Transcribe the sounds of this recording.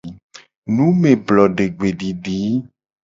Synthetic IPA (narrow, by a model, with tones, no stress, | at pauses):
nũ˨˦me˨blɔ˨ɖe˨ɡ͡be˨ɖi˨ɖi˨˦